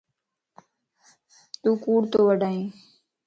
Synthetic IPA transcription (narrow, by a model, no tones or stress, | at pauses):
t̪uːkuːɽt̪oːʋəɖaːĩː